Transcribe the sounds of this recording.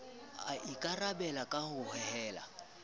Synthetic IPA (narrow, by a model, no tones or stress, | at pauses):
aikʼarabɛlakʼahʊhɛhɛːla̰